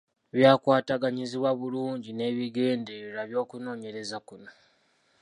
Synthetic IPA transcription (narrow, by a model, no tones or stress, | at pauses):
βjaːkwaːtaɡaɲiziβwaβuluːɲɟine̞ːβiɡe̞ːndeilaβjo̞ːkuno̞ːɲe̞ɾe̞zakuno̞